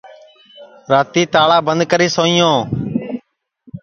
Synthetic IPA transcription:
ɾaːt̪iːt̪aːɭaːbənd̪̚kəɾiːsoːĩːjõː

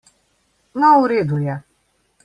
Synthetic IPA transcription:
nauɾed̪uja

